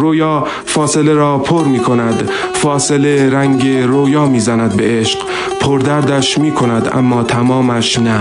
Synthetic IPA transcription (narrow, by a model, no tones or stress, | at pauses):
ɾojɒː | fɒːse̞leɾɒːpʰoɾmiːkʰo̞næd̪ | fɒːse̞le̞ɾæŋɟe̞ɾojɒːmiːzænæd̪̚be̞ʔeʃq | pʰoɾd̪æɾd̪æʃmiːkʰo̞næd̪æ̰mːɒːt̪ʰæmɒːmæʃnæ